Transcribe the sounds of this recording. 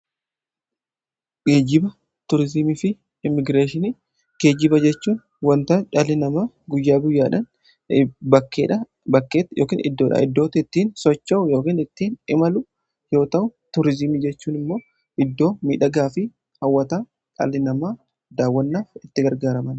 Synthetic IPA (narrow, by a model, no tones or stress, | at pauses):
ɡ̥eːd͡ʒɪbɐ | t̪ʊɾɪzɪmifɪ | ɪmːɪɡɾeːʃɪni | ɡ̥e̞ːd͡ʒɪbɐd͡ʒɛt͡ʃːuːn | wɐnt̪ɐːt͡ʃʼaːlɪnɐmaː | ɡʊjːaːɡʊjːaːᶑɐn | bɐkːeːᶑɐ | bɐkːeːt̪jʔo̰ːkḭːnʔɪ̰d̪ːoːᶑɐ̰ɪd̪ːo̞ːt̪ɪɪt̪ːiːnsɔt͡ʃːɐʔʊjo̞ːkiːnɪt̪ːiːnɪmɐlʊ | jo̞ːt̪ɐʔʊt̪ʊɾɪzɪmid͡ʒɛt͡ʃːuːnɪmːo̞ː | ʔɪd̪ːo̞ːmḭːᶑɐɡaːfɪ | hɐwːɐt̪aː | t͡ʃʼa̰ːlːɪnɐmaː | d̪aːwːɐnːaːfɪt̪ːɪɡɐɾɡaːɾɐmɐn